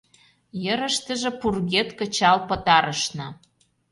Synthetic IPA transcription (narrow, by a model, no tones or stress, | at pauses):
jəɾə̆ʃt̪ə̆ʒĕpurɣet̪kə̆t͡ɕɑlpɤ̆t̪ɑɾəʃnɤ̆